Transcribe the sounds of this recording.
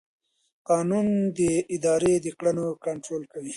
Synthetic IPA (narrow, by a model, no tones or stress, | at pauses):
qɑːnund̪əɪd̪ɑːɾed̪əkɽanokaɳʈɾoːlkawi